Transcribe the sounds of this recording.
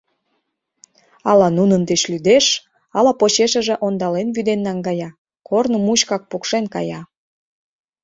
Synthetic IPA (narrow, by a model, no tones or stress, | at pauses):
ɑlɑnunənd̪et͡ɕlyd̪eʃ | ɑlɑpot͡ɕeʃə̆ʒĕʔond̪ɑlenβyd̪enːɑŋɡɑjɑ | kornomuɕkɑk̚pukʃenkɑ̰jɑ